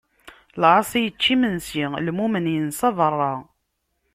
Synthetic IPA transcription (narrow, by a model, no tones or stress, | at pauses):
lʕɑsˤijət͡ʃːimənsilmumənjənsɑðˤərˤːɑ